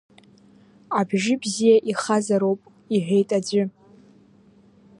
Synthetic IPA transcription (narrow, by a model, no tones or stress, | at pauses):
abʒɪbzijaʔiχazaɾowpʼ | iħʷᶣe̞jtʼad͡zʷʏ